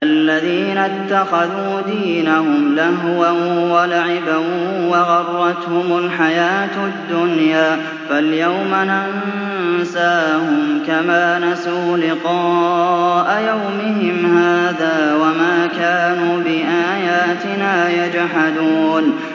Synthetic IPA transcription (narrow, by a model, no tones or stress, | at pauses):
ʔalːaðiːnat̪ːaxaðuːd̪iːnahʊmlaɦwanwalaʕɪbawɑɣɑrˤːɑt̪hʊmʊlħajaːt̪ad̪ːʊnjaː | faljawmanan | saːhʊmkamaːnasaːlɪqɑːʔajawmɪɦɪmhaːðaːwamaːkaːnuːbɪʔaːjaːt̪ɪnaːjad͡ʒħad̪uːn